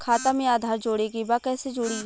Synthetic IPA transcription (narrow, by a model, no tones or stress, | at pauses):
kʰaːt̪amẽaːd̪ʱaːɾd͡ʒoːɽeɡibakɛːsed͡ʒoːɽi